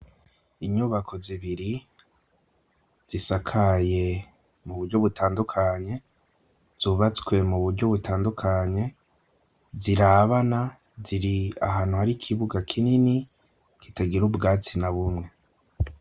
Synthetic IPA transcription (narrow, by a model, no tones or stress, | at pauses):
iɲuβakʰo̞ziβiɾi | z̥isakʰaje̞ | muβuɾɟo̞βutʰaːndukʰaɲe̞ | z̥uːβat͡swe̞muβuɾɟo̞βutaːndukʰaɲe̞ | ziɾaβana | ziɾia̰ɦaːn̥uhaɾikʰiβuɡakʰinini | kitaɡiɾubɡaːt͡sinaβumŋe̞